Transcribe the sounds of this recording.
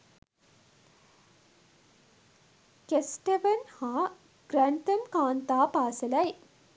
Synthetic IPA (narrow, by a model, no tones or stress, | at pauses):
kesʈeʋɐnhaː | ɡ̥ɾænt̪əmkaːnt̪aːpaːsəlɐj